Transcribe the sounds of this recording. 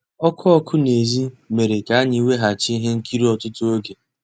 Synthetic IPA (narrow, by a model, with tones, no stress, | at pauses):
ɔ˦kʰʊ˦ɔ˦kʰʊ˦ne˨zi˦me˨ɾe˨ka˨a˦ɲɪ˦˨we˦ɦa˨t͡ʃɪ˦ɦe˦ŋ̩˦ki˦ɾi˦ɔ˨tʊ˦tʊ˦o˦ɡe˨